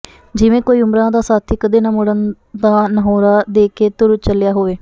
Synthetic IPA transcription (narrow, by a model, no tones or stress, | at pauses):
d͡ʒɪʋẽːkoːiːʊmɾãːd̪aːsaːt̪ʰiːkəd̪eːnaːmʊɽən | d̪aːnəɦoːɾaːd̪eːkeːt̪ʊɾt͡ʃəljaːɦoːʋeː